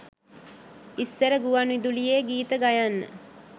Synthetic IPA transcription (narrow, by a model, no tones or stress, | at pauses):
isːəɾəɡuʋanid̪ulijeːɡiːt̪əɡajanːə̰